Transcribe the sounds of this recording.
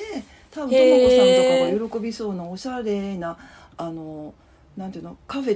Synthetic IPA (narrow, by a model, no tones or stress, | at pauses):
e | t̪abɯ̟oɡosãkaajo̞ɾo̞ko̞bʲiso̞ːnaoɕaɾe̞naː | no̞ | nãnt̪iɯnokaɸe̞